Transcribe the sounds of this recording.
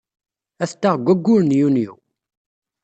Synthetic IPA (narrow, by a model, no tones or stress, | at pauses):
æθt̪ːaʁɡʷːæɡːʊɾnjunjṵ